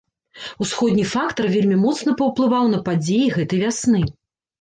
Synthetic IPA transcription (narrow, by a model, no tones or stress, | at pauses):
usxɔd̪ʲnʲifakt̪ɐrvʲelʲmʲimɔt̪sn̪ɐpɐwplˠɨvawnɐpad͡zʲejiɣɛt̪ɐjvʲasnɨ